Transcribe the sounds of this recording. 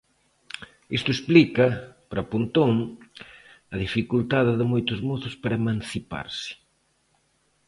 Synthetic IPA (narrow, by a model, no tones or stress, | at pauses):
ist̪ʊesplikɐpɾɐpunt̪oŋ | ɐðifikult̪aðɪðɪmojt̪ʊzmoθʊspaɾɐemãnθipa̰ɾsɪ̥